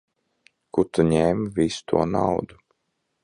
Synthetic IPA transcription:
kut̪uɲɛːmvisu̥t̪ʰṵɔna̰wd̪u

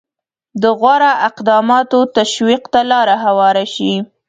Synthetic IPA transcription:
d̪əɣwaɾaʔɪqd̪ɑmɑt̪ot̪aʃwiqt̪alɑɾaɦawɑɾaʃi

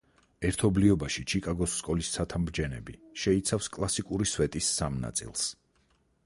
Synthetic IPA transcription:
ɛɾt̪ʰɔbliɔbaʃit͡ʃʰikʼaɡɔsːkʼɔlissʰat̪ʰamɾd͡ʒɛnɛ̰bḭʃɛit̪sʰafskʼlˠasikʼuɾisvɛt̪ʼisːamna̰t̪sʼḭlˠs

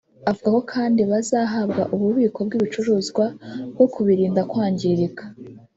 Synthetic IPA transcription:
avuɡako̞kʰaːndiβazaːɦabɡa̰ʔuβuβiːko̞bɡiːβit͡ʃuɾuːzɡwabɡo̞kʰuβiɾiːndakwaːɲɟiɾiɡḁ

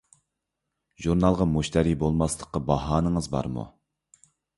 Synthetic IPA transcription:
ʒuɾnɑlˠʁɑmuʃt̪ɛɾibolˠmɑslˠəqːɑbɑɦɑːnəŋəzbɑ̰ɾmṵ

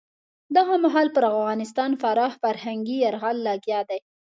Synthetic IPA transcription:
d̪aɣamaɦɑlpəɾafɣɑnɪst̪ɑnfaɾɑhfaɾhaŋɡiaɾɣɑlːɑɡjɑd̪aj

